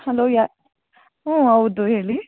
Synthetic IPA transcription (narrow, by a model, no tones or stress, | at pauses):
hɐloːjaː | õɐwd̪uɦeːɭi